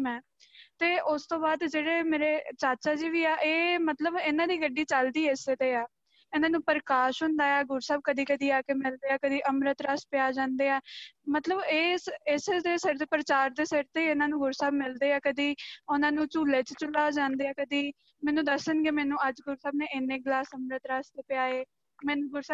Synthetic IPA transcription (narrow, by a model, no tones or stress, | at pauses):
mɛ̃ː | t̪eːʔʊst̪õːbaːd̪d͡ʒeːɽeːmeːɾeːt͡ʃaːt͡ʃaːd͡ʒiːʋiːaːʔeːmət̪ləbɪnãːd̪iːɡəɖiːt͡ʃəld̪iːeset̪eːaː | ɪnãːnũːpəɾəkaːʃɦʊnd̪aːɛːɡʊɾsaːb̚kəd̪iːkəd̪iːaːkeːmɪld̪eːaːkəd̪iːʔəmɾət̪ɾəspɪjaːd͡ʒãːnd̪eːaːmət̪ləbeːsɪset̪eːsəɾt̪eːpəɾət͡ʃaːɾd̪eːsɪɾt̪eːɪnãːnũːɡʊɾsaːbmɪld̪eːaːkəd̪iːʊnãːnũːt͡ʃuːleːt͡ʃt͡ʃʊlaːd͡ʒãːnd̪eːaːkəd̪iː | mɛːnũːd̪əsənɡeːmɛːnũːəd͡ʒɡʊɾsaːbnẽːʔɪnːẽːɡlaːsəmɾət̪ɾaːst̪eːpɪjaːeː | mɛːnũːɡʊɾsaːb